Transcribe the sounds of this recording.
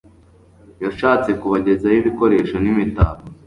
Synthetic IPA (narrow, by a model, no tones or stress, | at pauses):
jaʃaːt͡se̞kuβaɟe̞zajiβiko̞ɾe̞ːʃo̞nimita̰ːβo